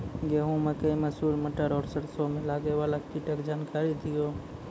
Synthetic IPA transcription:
ɡeːɦũmekəĩməsuːlməʈəɾɔːɾsəɾsomẽlaːɡeʋalakkiʈəkd͡ʒaːnkaːɾid̪ʱɪjoː

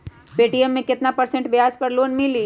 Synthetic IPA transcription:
peːʈiɛmːẽkɪt̪napɐɾsẽɳʈbɪaːd͡ʒpɐɾloːnmɪliː

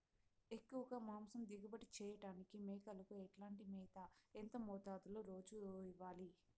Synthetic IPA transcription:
ekːuʋɐɡamaːmsɐmd̪iɡɐbɐʈit͡ʃɛːjɐʈaːnikimɛːkɐlɐkuɛʈlaːɳʈimɛːd̪ɐent̪ɐmɔːt̪aːd̪uloːɾo̞ːd͡ʒuiʋːaːli

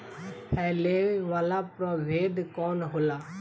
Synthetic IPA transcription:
hɛːleːʋaːlaːpɾɔʋeːd̪kɔːnɦʊlaː

